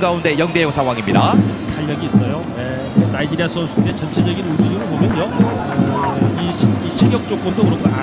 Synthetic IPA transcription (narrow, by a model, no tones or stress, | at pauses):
ɡaunde̞jʌŋde̞joŋsʰaŋɦwaŋimɲidataʎːʌɡiːs͈ʌjoje | naidiɾiasʰonsʰuet͡ɕʌnt͡ɕʰed͡ʑʌɡinuɭdɯɾiɾɯnbomjʌno | iɕʰit͡ɕʰeɡjʌk̚t͡ɕ͈ok̚k͈omdokɯɾʌŋɡʌna